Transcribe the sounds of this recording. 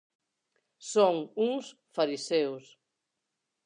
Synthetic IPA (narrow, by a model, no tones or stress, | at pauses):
soŋuŋs | faɾisɛws